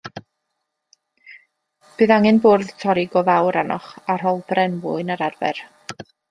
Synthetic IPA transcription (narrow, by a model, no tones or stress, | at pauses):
b̥ɨðaŋɨnboːrðtʰɔɾɪɡɔvawɾanɔ̰χar̥ɔlˠb̥rɛnvʊɨnaɾarvɛ̰r